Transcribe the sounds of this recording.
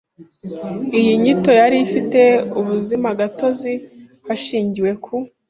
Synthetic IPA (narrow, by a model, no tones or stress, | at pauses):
ijiɲito̞jaɾifite̞uβuzimaɡato̞zi | haʃiːɲɟiwe̞kʰu